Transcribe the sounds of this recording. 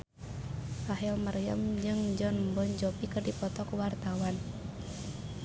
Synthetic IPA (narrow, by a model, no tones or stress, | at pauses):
paɦɛlmərjə̰md͡ʒɨŋd͡ʒɔnbɔɲd͡ʒɔpikɨrdipɔt̪ɔkwart̪awan